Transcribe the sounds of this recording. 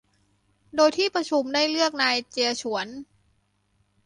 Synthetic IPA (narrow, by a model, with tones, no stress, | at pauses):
doː˧jt̪ʰiː˥˩pɾa˧t͡ɕʰu˧mdaː˥˩jlɯ˥˩ək̚naː˧jt͡ɕi˧ət͡ɕʰu˩˦ən